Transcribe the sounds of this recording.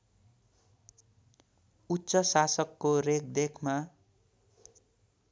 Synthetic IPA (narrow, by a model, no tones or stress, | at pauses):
utːsʌsasʌkːorek̚d̪ekʰma